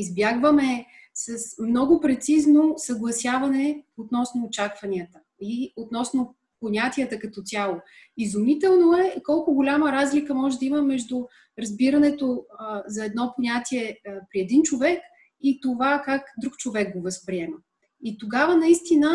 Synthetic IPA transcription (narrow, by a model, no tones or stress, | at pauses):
izbjaɡvəmɛ | sɐsmnɔɡʊpɾɛt̪siznosɐɡlˠɐsʲjavɐnɛot̪nɔsnoːt͡ʃakvɐniət̪ə | iot̪nɔsno | ponʲat̪ʲiət̪əkɐt̪ɔt̪ʲjalˠo | izumit̪ɛlˠnoɛkɔlˠkʊɡolʲaməɾazlikəmɔʒɛd̪əiməmɛʒd̪ʊ | ɾɐzbiɾənɛt̪ozɐɛd̪nɔponʲat̪iɛpɾiɛd̪int͡ʃovɛk | it̪ovakakd̪ɾukt͡ʃovɛɡ̚ɡovɐspɾiɛmə | it̪oɡavənɐist̪inə